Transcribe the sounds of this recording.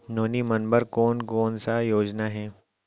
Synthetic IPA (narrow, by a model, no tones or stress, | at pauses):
noːnimɐnbəɾkɔːnkɔːnsajoːd͡ʒnaɦɛː